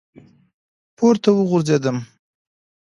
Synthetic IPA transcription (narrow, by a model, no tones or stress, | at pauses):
pʰoɾt̪awəɣʊɾzed̪əm